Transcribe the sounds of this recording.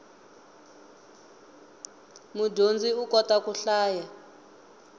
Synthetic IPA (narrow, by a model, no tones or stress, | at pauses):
mudʱond͡ziukɔtʼakuɬaːja